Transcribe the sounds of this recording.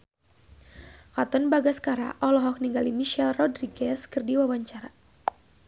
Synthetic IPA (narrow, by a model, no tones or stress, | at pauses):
kat̪ɔnbaɡaskaɾa̰ʔɔlɔɦɔk̚niŋɡalimiʃɛlrɔdriɡɛskɨrdiwawaɲt͡ʃaɾa